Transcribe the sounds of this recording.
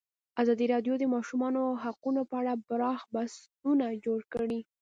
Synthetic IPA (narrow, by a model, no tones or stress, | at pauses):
azɑd̪iɾɑd̪jod̪əmɑʃumɑnoɦaqunopəaɽabɾɑxbas | unad͡ʒoɽkəɽi